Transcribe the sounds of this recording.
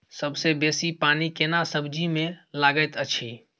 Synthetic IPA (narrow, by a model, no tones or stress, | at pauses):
səbsebeːsipaːnikenasəbʱd͡ʒimẽlaːɡət̪ət͡ʃʰi